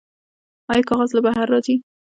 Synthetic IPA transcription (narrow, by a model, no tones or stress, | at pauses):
ɑjkɑɣazlabaɦaɾːɑzi